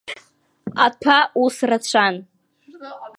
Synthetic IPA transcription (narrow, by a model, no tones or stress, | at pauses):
atʰausrat͡ɕʷʰan